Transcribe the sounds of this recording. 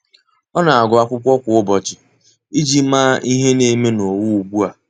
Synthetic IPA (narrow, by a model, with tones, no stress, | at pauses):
ɔ˦na˨a˨ɡʊ˨a˨kʷʊ˦kʷɔ˦kʷʊ˨ʊ˦bɔ˨t͡ʃɪ˨ | i˦d͡ʒi˦maː˦ʔi˦ɦe˦ne˨˦me˦no˨wu˦u˨bu˦a˨